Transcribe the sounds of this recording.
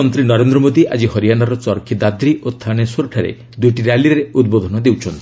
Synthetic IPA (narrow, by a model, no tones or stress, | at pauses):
ɔnt̪ɾinɔɾend̪ɾɔmod̪iʔa̰d͡ʒihɔɾijanaɾɔt͡ʃɔɾkʰid̪ad̪ɾiʔot̪ʰːaɽ̃esoɾʈʰaɾḛ | d̪ujʈiɾaliɾeud̪bod̪ʱɔnɔd̪ewt͡ʃʰɔnt̪